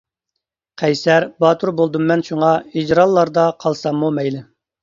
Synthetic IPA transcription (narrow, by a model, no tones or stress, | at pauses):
qʰɛjsɛɾbɑːt̪ʰuɾbolˠd̪umːɛnʃuŋɑid͡ʒɾɑlˠːɑɾd̪ɑqʰɑlˠsɑmːumɛjlɪ